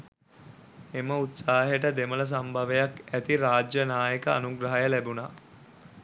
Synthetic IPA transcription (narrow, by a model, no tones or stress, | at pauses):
eməut̪saːɦeʈəd̪emələs̬ambʱaʋejakæt̪iɾaːd͡ʒjənaːjəkəa̰nuɡɾɐɦajəlæbuna